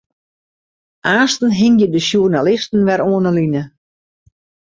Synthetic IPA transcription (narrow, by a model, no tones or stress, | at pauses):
ʔaːstən̩ɦɪŋjədəʃjurnalɪstn̩ʋɛɾoːnəlinə